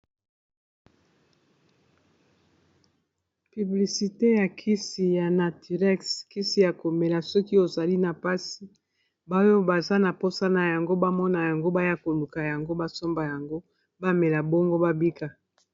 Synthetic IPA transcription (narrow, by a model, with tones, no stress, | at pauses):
py˨bli˨si˨te˦ja˨kʰi˦si˨ja˨na˨ti˨ʁɛ˦ski˦si˨ja˨ko˨me˨la˨sɔ˦ki˦o˨za˨li˦na˨pa˦si˨ | ba˦jo˦ba˨za˦na˨po˦sa˦na˨ja˨ŋɡo˦ba˦mɔ˦na˨ja˨ŋɡo˦ba˦ja˦ko˨lu˨ka˨ja˨ŋɡo˦ba˦so˦mba˨ja˨ŋɡo˦ | ba˦me˨la˨bɔ˦ŋɡo˦ba˦bi˦ka˨